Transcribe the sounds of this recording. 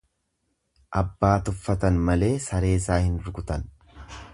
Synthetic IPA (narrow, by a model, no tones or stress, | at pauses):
ʔɐbːaːt̪ʊfːɐt̪ɐnmɐle̞ːsɐɾe̞ːsaːhɪnʊɾɡʊt̪ɐn